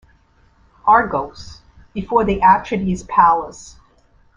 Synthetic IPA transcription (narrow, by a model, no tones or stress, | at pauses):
ʔɑɹɡoʊs | b̥ɨfɔɹðiʔæt͡ʃʰɹɨɾiz̥pʰælˠəs